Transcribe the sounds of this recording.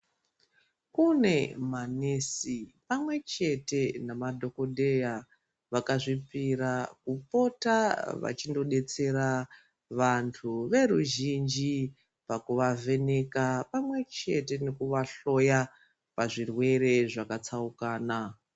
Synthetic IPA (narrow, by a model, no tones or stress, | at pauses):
kune̞manesipamwe̞t͡ʃe̞te̞namadʱo̞ko̞dʱe̞ja | ʋakaʐipiɾakupo̞taʋa̰t͡ʃindo̞ɗe̞t͡se̞ɾa | ʋantʰuʋe̞ɾuʒind͡ʒi | pakuʋave̞ne̞kapamwe̞t͡ʃe̞te̞ne̞kuʋaɬo̞ja | paʐirwe̞ɾe̞ʐakat͡saukaːna